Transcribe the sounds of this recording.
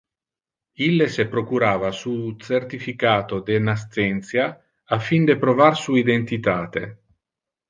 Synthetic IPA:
ilːesepɾokuɾaːvasut̪sert̪ifikaːt̪od̪enas̬t̪ɛnt̪sjaː | fːind̪epɾovarsuːid̪ent̪it̪aːt̪ḛ

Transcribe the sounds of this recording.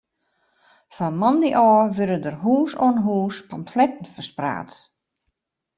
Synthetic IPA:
famɔndiʔɔːʋødədərɦuːsoənɦuːspamflɛtn̩fəspra̰ːt

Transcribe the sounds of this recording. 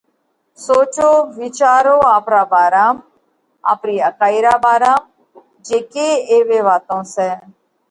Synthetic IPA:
soːt͡ʃoːʋɪt͡ʃaːɾoːaːpɾaːbaːɾaːm | a̰ːpɾiːəkaːiɾaːbaːɾaːm | d͡ʒeːkeːeːʋeːʋaːt̪õːsɛː

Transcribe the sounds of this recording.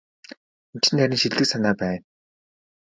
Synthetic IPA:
in̥t͡ɕɘ̆nt̪ʰæɾʲĭŋʃiɮɮɘ̆ksanaːpæːn

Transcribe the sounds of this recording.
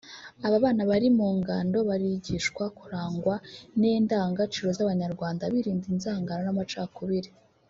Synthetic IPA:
aβaβaːnaβaɾimuːŋɡaːndo̞βaɾiɟiʃkwakuɾaːŋɡwaneːndaːŋɡat͡ʃiɾo̞zaβaɲaɾɡwaːndaβiɾiːndinzaːŋɡaɾanamat͡ʃaːkuβiɾi

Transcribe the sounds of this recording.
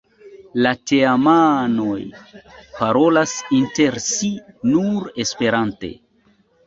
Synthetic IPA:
lateamano̞jpaɾo̞lasinte̞ɾsinuɾe̞spe̞ɾante̞̰

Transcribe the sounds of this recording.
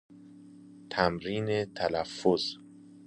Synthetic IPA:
t̪ʰæmɾiːnet̪ʰælæfːoz

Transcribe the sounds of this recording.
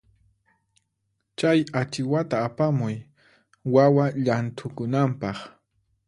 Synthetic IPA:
t͡ʃajat͡ʃɪwat̪aːpamʊj | wawaʎant̪ʰʊkʊnampɑχ

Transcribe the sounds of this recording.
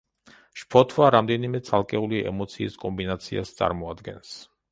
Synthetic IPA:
ʃpʰɔt̪ʰvaɾamd̪ɛnimɛt̪sʰalˠkʼɛuliʔɛ̰mɔt̪sʰiːskʼɔmbinat̪sʰia̰st̪sʼa̰ɾmɔad̪ɡɛns

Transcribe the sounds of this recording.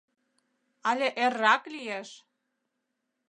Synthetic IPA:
ɑlʲeʔerːɑklieʃ

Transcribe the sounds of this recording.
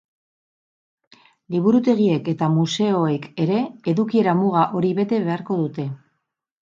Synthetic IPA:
liβuɾut̪e̞ɣ̞ie̞ke̞t̪amuse̞oe̞ke̞ɾe̞eðukie̞ɾamuɣaʔo̞ɾiβe̞t̪e̞βe̞aɾko̞ðut̪e̞

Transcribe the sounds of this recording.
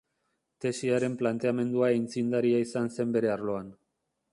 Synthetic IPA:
t̪e̞siaɾe̞mplant̪e̞ame̞nd̪uaint͡sind̪aɾiaisanse̞mbe̞ɾe̞aɾlo̞an

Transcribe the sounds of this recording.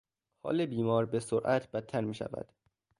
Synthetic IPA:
hɒ̰ːlebiːmɒːɾbesoɾʔæt̪ʰbæt̪ʰːæɾmiːʃæ̰væ̰d̪̥

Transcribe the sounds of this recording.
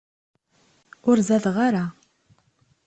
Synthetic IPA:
ʊɾzæðʁaɾa

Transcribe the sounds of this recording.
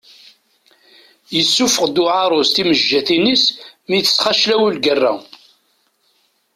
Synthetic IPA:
jəsːufəʁd̪ʊʕaɾˤost̪iməʒːæθinismiθə̥sχaʃlæwulɡərːæ̰

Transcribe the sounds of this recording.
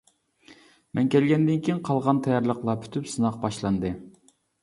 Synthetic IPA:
mɛnkʲɛlɡʲɛnd̪ɪnkʲʰijinqʰɑlˠʁɑnt̪ʰɛjɑɾlˠəqlˠɑpʰy̥t̪ʰypsɨnɑq̚bɑʃlˠɑnd̪ɨ

